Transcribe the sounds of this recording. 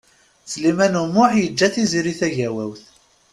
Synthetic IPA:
t͡sːlimænumːʊħjəd͡ʒːæθiziɾiθæʝæwæwθ

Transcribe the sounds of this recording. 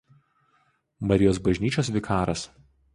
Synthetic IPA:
mɐɾʲɪjoːs̬bɐʒʲnʲiːt͡ʃʲoːsʋʲɪkʰɑːɾɐs

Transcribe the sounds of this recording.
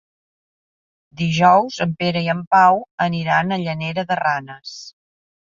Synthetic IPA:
d̪iʒɔwzəmpeɾəiəmpawəniɾanəʎəneɾəðəranəs

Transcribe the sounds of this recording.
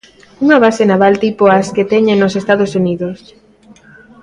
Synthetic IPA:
uŋaβ̞asenaβalt̪ipoasket̪ɛɲẽnosest̪aðosuniðos

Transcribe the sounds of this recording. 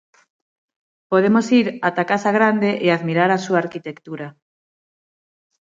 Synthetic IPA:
poð̞emosiɾat̪akasaɣɾand̪eʔeaðmiɾaɾasuaːɾkit̪ekt̪uɾa

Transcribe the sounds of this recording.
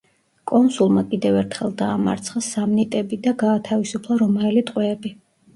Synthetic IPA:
kʼɔnsulˠmakʼid̪ɛvɛɾt̪ʰχɛlˠd̪aːma̰ɾt̪sʰχasamnit̪ʼɛbid̪aɡaːt̪ʰavisupʰlˠaɾɔmaɛlit̪ʼqʼwɛːbi

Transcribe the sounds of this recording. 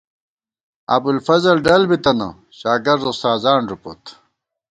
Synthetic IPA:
ɐ̰bulfɐzɐlɖɐlbit̪ɐnɐ̰ | ɕaːɡɐɾd̪ost̪aːzaːɳɾupo̰t̪

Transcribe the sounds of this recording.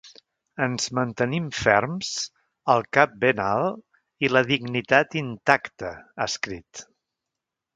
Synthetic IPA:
ənzmənt̪ənimfɛɾms | əlˠkap̚benalˠ | iləðiɡnit̪at̪int̪akt̪əəskɾit̪

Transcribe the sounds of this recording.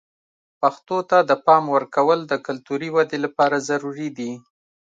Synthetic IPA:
paxt̪ot̪ad̪əpɑmwəɾkawəld̪əkʊlt̪uɾiwad̪elapɑɾazaɾuɾid̪i

